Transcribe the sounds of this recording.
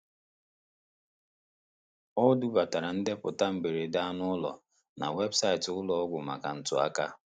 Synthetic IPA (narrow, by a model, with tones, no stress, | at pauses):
ɔ˦du˦ba˨ta˨ɾa˨n̩˦dɪ˦pʊ˨ta˦m̩˨be˨ɾe˨da˦nʊ˦ʊ˦lɔ̰˨ | na̰˨we˦bsa˦ɪ˨tʊ˦lɔ˨ɔ˦ɡʷʊ˨ma̰˨ka̰˨n̩˦tʊ˦a̰˦ka˦